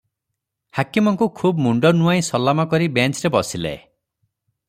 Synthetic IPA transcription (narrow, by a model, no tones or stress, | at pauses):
hakimɔŋkukʰubmuɳɖɔnuaj̃sɔlamɔkɔɾibent͡ʃɾebɔsilḛ